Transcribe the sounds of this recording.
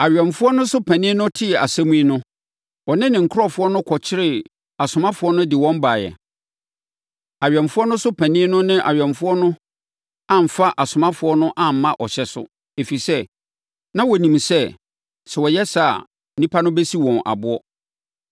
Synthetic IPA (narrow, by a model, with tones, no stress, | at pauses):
a˨ɥᶣɛ̃˨m˨fʊ˦ɔ˦nʊ̃˦sʊ˦pʰæ̃˨nɪ̃˦nʊ̃˦tʰɪ˦ɛ˨a˨sæ̃˦mũ˦i˦nʊ̃˦ | wɔ˨nɪ̃˦nɪ̃˨ŋ̩˨kʰɔ˦˨fʊ˦ɔ˦nʊ̃˦kʰɔ˨t͡ɕʰɪ˦ɾɪ˨ | a˨sʊ˨mã˦fʊ˨˦ɔ˦nʊ̃˦dɪ˨wɔ̃˦m˦ba˨jɛ̰˨ | a˨ɥᶣɛ̃˨mfʊ˦ɔ˦nʊ̃˦sʊ˦pʰæ̃˨nɪ̃˦nʊ̃˦nɪ̃˦ʔa̰˨ɥᶣɛ̃˨mfʊ˦ɔ˦nʊ̃˦ | ã˦˨m̩˨fa˦ʔa˨sʊ˨mã˦fʊ˨˦ɔ˦nʊ̃˦ʔã˦m̩˦mã˦ʔɔ˨ɕɛ˨sʊ̰˦ | e˨fi˨i˨sɛ˦ | nã˦wɔ˨nĩ˨msɛ˦ | sɛ˨wɔ˨jɛ˦sa̰˨ | nĩ˦pʰa˦nʊ̃˦bɛ˦si˦wɔ̃˨nʔa̰˨bʊ˦ɔ˦